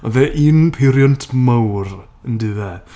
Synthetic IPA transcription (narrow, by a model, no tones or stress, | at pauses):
ɔðɛʔiːnpʰɪɾjɔntʰmawr | əndɨðɛ